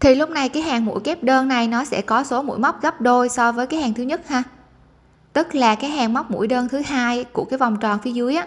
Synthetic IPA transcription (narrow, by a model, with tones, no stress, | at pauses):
t̪ʰi˨˩lʊ˦˥k͡p̚na˨˩jkaː˨˦jɦaː˨˩ŋmṵ˧˥jke˦˥p̚ɗəː˧nːa˨˩jnɔ˨˦sɛ̰˧˥˩kɔ˨˦so˨˦mṵ˧˥jma˦˥wk͡p̚ɣa˦˥p̚ɗo˧jsɔ˧vəː˨˦jkaː˨˦jhaː˨˩ŋt̪ʰɨ˨˦ɲə˦˥t̚haː˧ | t̪ɨ˦˥t̚laː˨˩kaː˨˦jɦaː˨˩ŋma˦˥wk͡p̚mṵ˧˥jɗəː˧nt̪ʰɨ˨˦haː˧jku˧˩əkaː˨˦jva˨˩wŋ͡mt͡ɕɔ˨˩nfi˨˦əzɨ˨˦əjʔaː˨˦